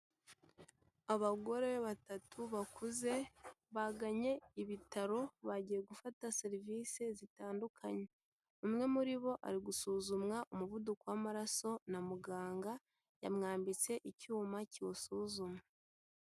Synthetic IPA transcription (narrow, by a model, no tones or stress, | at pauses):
aβaɡo̞ɾe̞βatatʰuβakuze̞βaɡaɲe̞iβitaɾo̞βaɟije̞ɡufatase̞ɾiviːse̞zitaːndukʰaɲe̞ | umŋe̞muɾiβo̞ʔa̰ɾiɡusuːzumŋaʔumuvudukowamaɾaso̞namuɡaːŋɡa | ja̰mŋaːmbit͡se̞ʔicuːmaciwosuːzumŋa